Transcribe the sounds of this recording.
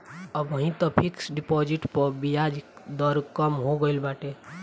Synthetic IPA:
əbəɦĩt̪ɔpʰiksɖɪpɔd͡ʒiʈpɔbijad͡ʒkd̪ɔɾkəmɦoɡəilbaːʈe

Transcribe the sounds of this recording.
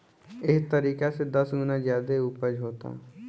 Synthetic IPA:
ɪst̪əɾiːkased̪ɐsɡuːnazjaːd̪euːpəd͡ʒɦoːt̪a̰

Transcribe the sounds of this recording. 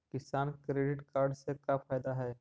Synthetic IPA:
kɪsaːnkɾeːɖɪʈkaːɾɖsekafʰaːjd̪aɦɛː

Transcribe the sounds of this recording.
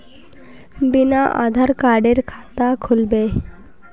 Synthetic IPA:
binaʔa̰d̪ʱaɾkaɾɖeɾkʰat̪akʰulbe

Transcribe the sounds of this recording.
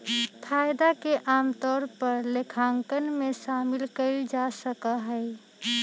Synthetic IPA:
pʰaːjd̪akeʔaːmt̪ɔːɾpəɾlekʰaːŋkənmẽʃaːmɪlkəɪld͡ʒasəkaɦɛː

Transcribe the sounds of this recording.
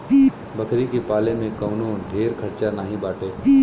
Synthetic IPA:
i | bɐkʰɾikepaːlẽmẽkɐmnuːnɖʱeːɾkʰɐɾt͡ʃanaːɦĩbaːʈeː

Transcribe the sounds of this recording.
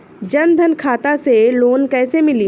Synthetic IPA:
d͡ʒɐnd̪ʱənkʰaːt̪aseloːnkɛːsemɪli

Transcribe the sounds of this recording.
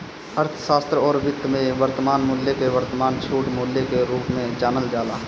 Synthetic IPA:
ɐɾt̪ʰʃaːst̪ɾɔːɾʋɪt̪ːmẽʋəɾt̪əmaːnmʊːljekeʋəɾt̪əmaːnt͡ʃʰuːʈmuːljekeɾuːpmẽt͡ʃaːnəld͡ʒaːlaː

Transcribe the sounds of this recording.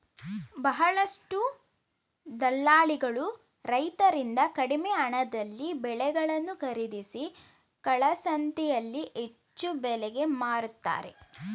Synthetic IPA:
bɐɦɐɭɐʂʈu | d̪ɐlːaːɭiɡɐɭu | ɾɐjt̪ɐɾind̪ɐkɐɽimeɐɳɐd̪ɐlːibɛɭɛɡɐɭɐnːukɐɾid̪isi | kɐɭɐsɐnt̪ijɐlːiʔet͡ʃːubɛlɛɡe̞maːɾut̪ːa̰ːɾe̞̰

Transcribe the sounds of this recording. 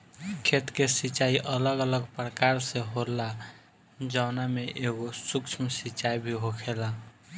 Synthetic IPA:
kʰet̪kesit͡ʃaiʔələɡələɡpɾəkaɾsẽɦola | d͡ʒaʊnameʔeɡosukt͡ʃʰmsit͡ʃaibʱiɦokʰela

